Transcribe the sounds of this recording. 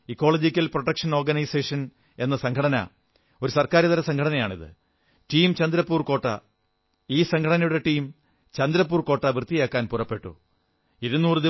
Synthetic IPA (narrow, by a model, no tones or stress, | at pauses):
ikːo̞ːlod͡ʑikʲːɐlproʈːɐkʂɐnorɡɐnɐjse̞ːʂɐn | e̞nːɐsɐŋkʰɐɽɐnɐ̰ | o̞ɾusɐrkaːɾɐðɐɾɐsɐŋkʰɐɽɐnɐjaːɳḭðɨ̰ | ʈiːmt͡ɕɐnd̪iɾɐpːuːrko̞ːʈːɐ̰ | iːsɐŋkʰɐɽɐnɐjuɽe̞ʈiːm | t͡ɕɐnd̪iɾɐp̬ːuːrko̞ːʈːɐʋrt̪ːijaːkːaːnpurɐpːe̞ʈːṵ | iɾunːuːrɨði